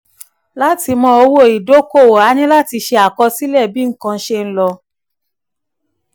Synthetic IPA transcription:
la˦ti˧mɔ̃˧o˧wo˦˨i˨do˦ko˦˨o˨a˨˦nĩ˦la˦ti˧ʃe˧a˨kɔ˧si˦lɛ˦˨bi˦ŋ̩˦kã˧˦ʃe˧n̩˦lɔ˧

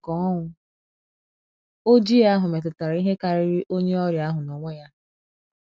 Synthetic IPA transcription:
kɔ˨˦ɔ˦ŋʷʊ˦ | o˦d͡ʒi˦a˦ɦʊ˨me˨t̬ʊ˨ta˨ɾa˨˦i˦ɦe˦ka˨ɾɪ˦ɾi˦ʔo˦ɲe˦ɔ˦ɾja˦ɦʊ˨nɔ˨ŋʷe˦ja˦

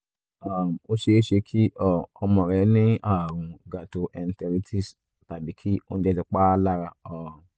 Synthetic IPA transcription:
a˨mo˦ʃe˧˦e˦ʃe˧kʰi˦ʔɔ˨ɔ˧mɔ̃˧˨ɾɛ˨˦nĩ˦a˦˨ɾũ˨ɡa˨to˧ʔɛ˧n̩˦tɛ˧ɾi˦tʰi˦˨s | ta˨bi˨˦kʰi˦o˦ñ̩˦d͡ʒɛ˦˧ti˧k͡pa˦la˦ɾa˧ɔ˨

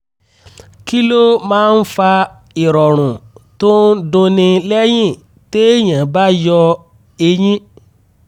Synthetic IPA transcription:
ki˦lo˦mãː˦n̩˦fa˧ | i˨ɾɔ˨ɾ̃ũ˨to˦n̩˦dũ˧nĩ˧lɛ˦j̃ĩ˦˨ | te˦ɲ̃ã˨ba˦jɔ˧ | e˧jĩ˦

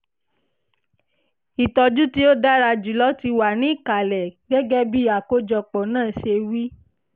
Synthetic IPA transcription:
i˨tɔ˧d͡ʒu˦ti˦o˦da˦ɾa˧d͡ʒu˨lɔ˦ti˧wa˨nĩ˨˦i˦˨ka˨lɛ˨ɡɛ˦ɡɛ˦bi˦a˨ko˦d͡ʒɔ˧˨k͡pɔ˨nãː˦˨ʃe˧wi˦

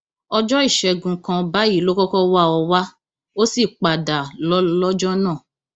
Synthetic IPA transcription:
ɔ˧d͡ʒɔ˦i˦˨ʃɛ˧ɡũ˨kã˧ba˨˦ji˦lo˦kɔ˦kɔ˦wa˦˨ɔ˧wa˦ | o˦si˦˨k͡pa˨da˨lɔ˦lɔ˦d͡ʒɔ˦nã˦˨

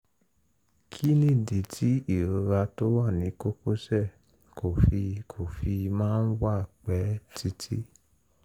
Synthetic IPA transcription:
kʰi˦nĩ˦˨de˨tʰi˨˦i˦˨ɾo˧ɾa˧to˦wa˦˨nĩ˨˦ko˦ko˦sɛ˦˨ | ko˨fi˧kʰo˨fi˧mãː˦˧n̩˦wa˦˨k͡pɛ˨˦tʰi˦tʰḭ˦

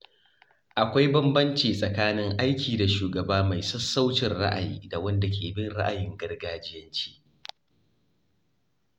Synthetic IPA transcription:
ʔa˨kʷa˦jbɐ˦mbɐ˦nt͡ʃiː˨sʼɐ˨kaː˦nɪ˦ŋʔa˦jkʲʰiː˨da˨ʃuː˨ɡɐ˨baː˦ma˨jsɐ˦sːa˦wt͡ʃɪ˨nɽa̰˦ʔa̰˨jḭː˦da˨wɐ˦nda˨kʲeː˨bɪ˦nɽa̰˦ʔa˨jɪ˦ŋɡɐ˦rɡaː˦d͡ʒɪ˦jɐ˦nt͡ʃi̥ː˦ʔ

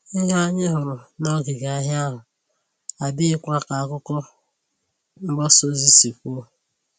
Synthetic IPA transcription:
ɪ˦ɦa˦ɲɪ˦ɦʊ˨ɾʊ˨nɔ˦ɡi˨ɡa˨˦ɦja˦ɦʊ˨ | a˨bi˦ɪ˦kʷa˦ka˨a˨kʊ˦kɔ˦ | ŋ̩˦ɡ͡ba˦so˦zi˦si˨kʷo˦˨

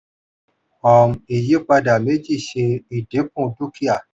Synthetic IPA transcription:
ɔ˨m˨e˨je˦k͡pa˧da˨me˨˦d͡ʒi˦˨ʃe˧i˨de˨˦kũ˦˨tu˦ki˦a˨

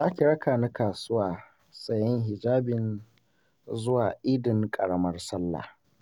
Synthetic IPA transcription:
zaː˦kʲi˨ɽɐ˦kaː˨na˦kaː˨sʊ˦waː˨ | sɐ˨jɪ˦ŋɦɪ˨d͡ʒaː˦bɪ˨n | zʊ˦waː˨ʔɪ˦dɪ˨ŋkʼɐ˨ɽɐ˦mɐ˦rsɐ˦lːa̰˨

